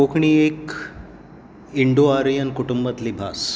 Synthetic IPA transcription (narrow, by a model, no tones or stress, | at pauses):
okʰɳiːek | iɳɖoaɾijənkuʈumbət̪liːbʱas